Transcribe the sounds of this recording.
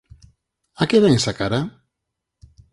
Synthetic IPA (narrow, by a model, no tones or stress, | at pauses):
akeβɛŋsakaɾa